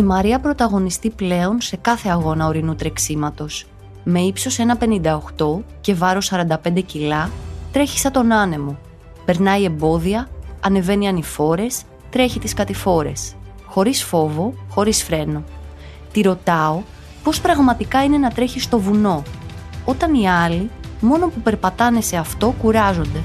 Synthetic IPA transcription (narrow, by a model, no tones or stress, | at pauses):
imɐɾiɐpɾo̞t̪ɐɣo̞nist̪iple̞o̞nse̞kɐθe̞ɐɣo̞nɐoɾinut̪ɾe̞ksimɐt̪o̞s | me̞ipso̞se̞nɐpe̞nind̪ɐoxt̪o̞ce̞vɐɾo̞sɐɾɐnd̪ɐpe̞nd̪e̞cilɐt̪ɾe̞çi̥sɐt̪o̞nɐne̞mo̞ | pe̞ɾnɐie̞mbo̞ðiɐːne̞ve̞niɐnifo̞ɾe̞s | t̪ɾe̞çit̪iskɐt̪ifo̞ɾe̞s | xo̞ɾisfo̞vo̞xo̞ɾisfɾe̞no̞ | t̪iɾo̞t̪ɐo̞ | po̞spɾɐɣmɐt̪ikɐine̞nɐt̪ɾe̞çist̪o̞vuno̞o̞t̪ɐniɐlimo̞no̞pupe̞ɾpɐt̪ɐne̞se̞ɐft̪o̞kuɾɐzo̞nd̪e̞